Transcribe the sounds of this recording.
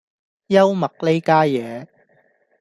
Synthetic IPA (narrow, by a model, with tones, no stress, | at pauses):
jɐ˥wmɐ˨k̚le˥jkaː˥jɛː˨˧